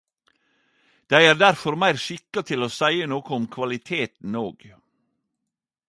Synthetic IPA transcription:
d̪̥æɪæːɾd̪æɾfɔɾmæɪɾʃɪkɑt̪ʰɪloːsæɪənoːkəʊmkʰʋɑlɪt̪ʰeːt̪n̩oːɡ

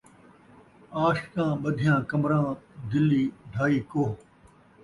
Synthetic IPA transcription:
aːʃkãːɓəd̪ʱijãːkɐmɾãːd̪ɪliːɖʱaːiːkoːɦ

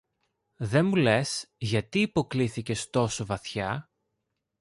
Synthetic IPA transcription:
ðe̞mule̞sʝɐt̪iːpo̞kliθice̞st̪o̞so̞vɐθçɐ

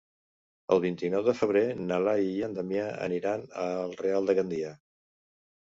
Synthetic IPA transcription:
ə̰lˠβ̞int̪inɔwðəfəβ̞ɾenalaijand̪əmjaə̰niɾanəlˠrealˠd̪əɣənd̪ia

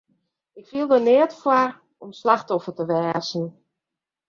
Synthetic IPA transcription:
ɪkfiəlˠdənɪətfwar | ɔmslaxtɔfərtəʋɛːzn̩

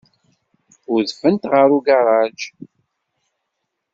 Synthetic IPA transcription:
ʊɾðfənt̪ʁəɾuɡaɾˤɑd͡ʒ

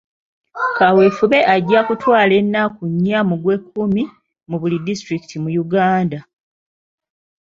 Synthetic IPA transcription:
kawe̞fuβe̞ʔaɟːakutwaːle̞nːakuɲːamuɡwe̞kːumi | muβulidistɾiki̥tʰimujuɡaːnda

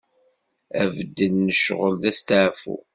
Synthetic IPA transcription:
ævəd̪ːənːəʃʁəlt̪æst̪əʕfṵ

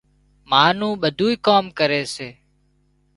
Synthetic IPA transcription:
maːnũːɓəd̪ʱuːikoːmkəɾeːseː

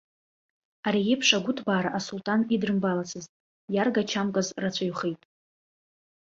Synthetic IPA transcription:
aɾijepʰʂaɡʷʊtʰbaːɾaʔasultʼanidrɨmbalat͡sʰɨztʼ | jarɡat͡ʃʰamkʼazrat͡ɕʷʰaɥχejtʼ

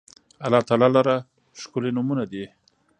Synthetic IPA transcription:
alɑt̪ɑlɑlaɾa | ʃkʊlenʊmunad̪i

